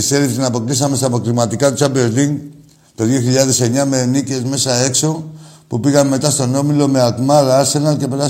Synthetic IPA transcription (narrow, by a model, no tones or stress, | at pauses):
iseɾit̪inɐpo̞k̚t̪is̬ɐmest̪ɐpokɾimɐt̪ikɐt̪ut͡ʃabeɾliŋ | t̪oðjoçiʎɐðe̞se̞ɲɐmenice̞zme̞sɐe̞kso̞pupiɣɐmːe̞t̪ɐst̪o̞no̞milo̞meak̪mɐðɐɐɾse̞nɐlce̞pe̞ɾa